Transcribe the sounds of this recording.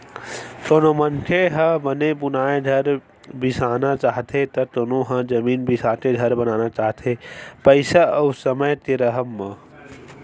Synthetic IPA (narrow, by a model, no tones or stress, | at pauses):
t̪oːnomə̃nʈʰeɦə̃bənebʊnaːẽd̪ʱɐɾ | bɪsaːnat͡ʃaːɦt̪ʰet̪ɐt̪oːnoɦə̃d͡ʒɐmiːnbɪsaːt̪edʱɐɾbɐnaːnat͡ʃaːɦt̪ʰepəɪsaɐusəməjt̪eɾəɦəmːə